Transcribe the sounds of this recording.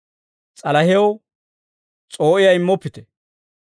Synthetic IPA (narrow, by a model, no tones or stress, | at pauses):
t͡sʼɐlɐhɛw | t͡sʼo̞ːʔɪjɐɪmːɔpːɪt̪ɛ